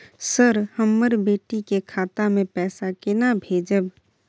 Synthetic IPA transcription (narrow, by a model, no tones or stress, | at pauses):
səɾhəmːəɾbeːʈikekʰaːt̪amẽpɛːsakɪnabʱeːd͡ʒəb